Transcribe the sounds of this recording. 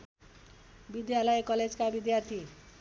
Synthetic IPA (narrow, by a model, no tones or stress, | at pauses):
bid̪jalʌjkʌled͡zkabid̪jart̪ʰi